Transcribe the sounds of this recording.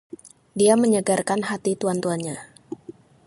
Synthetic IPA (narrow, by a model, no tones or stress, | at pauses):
diaməɲəɡarkanɦat̪it̪uant̪uanɲa